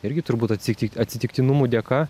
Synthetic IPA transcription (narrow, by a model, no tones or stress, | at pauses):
ɪɾʲɡʲɪt̪ʊɾbut̪ɐt̪sʲkt̪ʲɐt̪ʲsʲɪt̪ʲɪkʲt̪ʲɪnʊmud̪ʲɛkɑ